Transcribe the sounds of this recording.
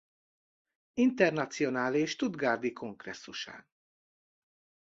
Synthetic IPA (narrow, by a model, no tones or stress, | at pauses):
int̪ɛrnɒt̪sijo̞naːleːʃt̪ud̪ɡaːrd̪ikʰo̞ŋɡrɛ̰sːuʃa̰ːn